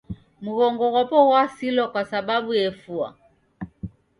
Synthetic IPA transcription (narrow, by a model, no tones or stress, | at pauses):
muɣɔŋɡɔɣɔpɔɣwasilɔkwasaɓabuɛfua̰